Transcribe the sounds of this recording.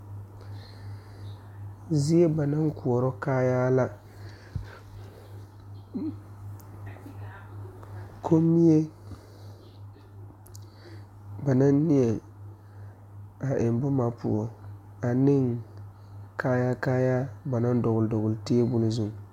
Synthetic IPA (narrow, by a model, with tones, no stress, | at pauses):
zi˦e˦ba˨na˦ŋku˨ɔ˨ɾɔ˦kaː˦jaː˦la˦ | kʰo˦mːi˦e˦ | ba˨na˦nː˦i˦ɛ˨ | a˨ʔe˨m˦bʊ˦ma˨pṵ˨ɔ˨ | a˨nɪ˦ŋ | kʰaː˦ja˦kaː˦ja˦ba˨na˦n˦dɔ˨ɣʊ˨ldɔ˨ɣʊ˨lteː˦e˦bʊ˦lɪ˦zʊ˨ŋ˨